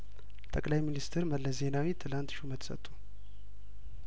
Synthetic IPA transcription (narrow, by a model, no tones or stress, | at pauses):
t̪ʼəkʼlajminist̪ʰɨɾməlːəze̞nawit̪ʰɨlant̪ʃumət̪ʰsə̰t̪ʼːu̥